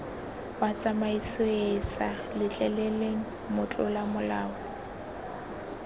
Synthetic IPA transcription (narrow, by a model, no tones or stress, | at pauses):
wat͡sʼamaisʊesa | lɪt͡ɬʼɛleleŋ̩ | mʊt͡ɬʼʊlamʊlaːʊ